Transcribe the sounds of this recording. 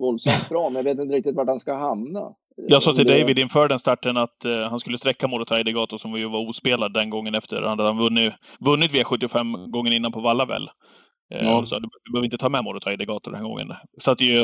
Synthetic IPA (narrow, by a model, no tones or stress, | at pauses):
vɔlsɔfɾɑːmɛnjaveːt̪ɪnt̪əɾɪk̚t̪ɪt̪vaʈhanskahamna̰ | jɑːɡssɑːt̪ʰɪld̪ɛjvɪd̪ɪnfœːɖɛnst̪aʈːənat̪hanskɵlːəst̪ɾɛkːamoːd̪ɔt̪ʰaad̪əɡɑːt̪ʊsɔmvɪjɵvaɾuːspeːlad̪ːɛnɡɔŋːənɛft̪ə̰ɾhad̪əat̪hanvɵnːɪvɵnːɪt̪vɪːaɧɵt̪ːɪɔfɛmːɡɔŋːənɪnːanpʰɔvalːavɛ̰lː | d̪ɛsɑ̰ːd̪ɵd̪bøːvɾɪnt̪ət̪ʰɑːmɛmoːd̪ət̪ʰːɪd̪ɛɡɑːt̪ʊɾd̪ɛnhæːɡɔ̰ŋːə̰nsat̪ːɪj